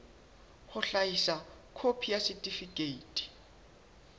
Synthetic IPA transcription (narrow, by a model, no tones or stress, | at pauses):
hʊɬaisakʰopʰijasɪtʼifikʼeiːtʼi̥